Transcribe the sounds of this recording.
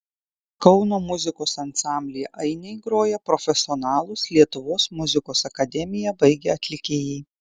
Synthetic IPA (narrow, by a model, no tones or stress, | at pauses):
kɒʊnoːmʊzʲɪkoːsɐnt̪sɑˑmʲbʲlʲɪjɛʔɐɪnʲɛɪɡɾoːjɛpɾɔfʲɛsʲɪɔnɑːlˠʊslʲiɛt̪ʊʋoːsmʊzʲɪkoːsɐkɐd̪ʲɛmʲɪjɛbɐɪɡʲɛɐt̪ʲlʲɪkʲeːjɛɪ